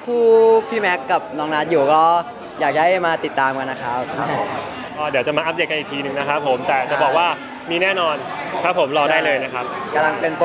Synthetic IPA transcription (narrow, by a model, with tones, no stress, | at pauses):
pʰuː˥˩pʰiː˥˩mɛ˦˥kːa˨˩p̚nɔː˦˥ŋlaː˦˥t̪̚juː˨˩kɔː˥˩ | jaː˨˩k̚da˥˩jmaː˧t̪i˨˩t̪ːaː˧mka˧nːa˦˥kʰa˦˥p̚ʰ | ʔɔː˧˩di˨˦wt͡ɕa˨˩maː˧ʔa˦˥p̚de˨˩k̚ka˧nʔkt̪ʰiː˧nɯ˨˩ŋna˦˥kʰa˦˥pʰːo˩˦mt̪ɛː˨˩t͡ɕa˨˩bɔː˨˩k̚waː˥˩ | miː˥˩nɛː˥˩nɔː˧nkʰa˦˥pʰːo˩˦mɾɔː˧daː˥˩jlɤː˧jna˦˥kʰa˦˥p̚ka˧la˧ŋpe˧np